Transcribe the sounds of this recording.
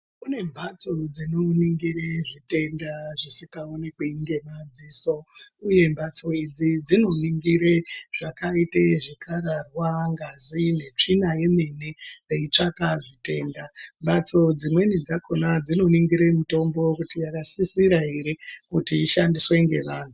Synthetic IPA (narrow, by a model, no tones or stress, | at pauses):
kune̞mbʱat͡so̞d͡zino̞niŋɡireʐite̞ndaʐisikaonekweiŋɡe̞mad͡ziso̞uje̞mbat͡so̞id͡zid͡zino̞niŋɡiɾeʐ̥akaiteʐekaɾarwaŋɡazine̞t͡ʂinaje̞me̞neeit͡ʂakaʐite̞ːndambat͡so̞d͡zimwe̞nid͡zako̞nad͡zino̞niŋɡiɾemito̞mbo̞kutijakasisiɾaɦeɾekutiːʃandiswe̞ŋɡe̞̰ʋaːn̤u